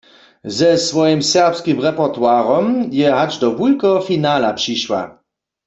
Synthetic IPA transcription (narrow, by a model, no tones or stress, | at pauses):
zɛsʋɔjimsɛʁpskimʁɛpɔʁt̪waːʁɔmjɛɦad͡ʒdɔbulkɔfinaːlapʂiʃwa̰